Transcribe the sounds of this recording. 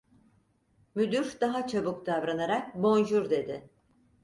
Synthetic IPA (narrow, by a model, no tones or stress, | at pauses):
myd̪yɾd̪̥aɦat͡ʃʰabukd̪avɾanaɾak̚bo̞nd͡ʒuɾd̪e̞d̪ɪ